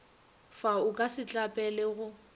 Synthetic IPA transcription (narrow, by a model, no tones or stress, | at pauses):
faʊkʼasɪt͡ɬʼapʼɛlɛɣʊ